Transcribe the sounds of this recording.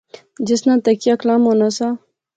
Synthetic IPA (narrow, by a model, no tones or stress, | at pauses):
d͡ʒɪsnãt̪akiaklamonasa